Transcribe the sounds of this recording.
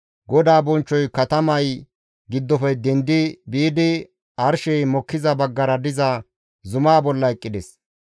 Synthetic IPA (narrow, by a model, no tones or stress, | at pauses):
ɡɔd̪aːbɔnt͡ʃːɔjkɐt̪ɐmɐj | ɡɪd̪ːɔfɛjd̪ɛnd̪ɪbiːd̪ɪ | ɐɾʃɛjmɔkːɪzɐbɐɡːɐɾɐd̪ɪzɐ | zʊmaːbɔlːɐɛkʼːɪd̪ɛs